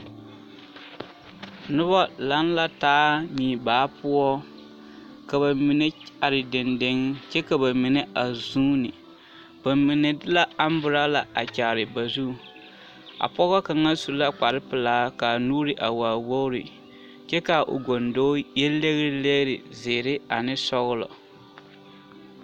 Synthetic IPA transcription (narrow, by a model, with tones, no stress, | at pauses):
nʊ˦bɔ˦la˦n˦la˦taː˦ɲiː˨baː˨˦pʊ˦ɔ˦ | ka˨βa˨mi˨nɛ˦a˨ɾɪ˨dɪ˨ndɪ˦ŋt͡ʃɛ˦ka˨ba˨mɪ˨nɛ˦ʔa˨zuː˦nɪ˨ | b̥a˨mi˨nɛ˨dɪ˦la˦a˦m˦bʊ˨ɾa˦la˨ʔa˨t͡ʃa˨ɾɪ˨ba˨zu˦˨ | a̰˨pɔ˦ɣɔ˦ka˨ŋa˦su˨˦la˦k͡pa˨ɾɪ˦pɪ˨laː˦ka˨nuː˦ɾɪ˨ʔa˨waː˨wo˦ɾɪ˨ | t͡ʃɛ˦ka˨ʔo̰˨ɡo˨ndoː˦jɛ˦lːe˦ɣɾɪ˦le˦ɾɪ˨zeː˨ɾɪ˦a˨nɪ˦sɔ˦ɣʊ˦lɔ̰˨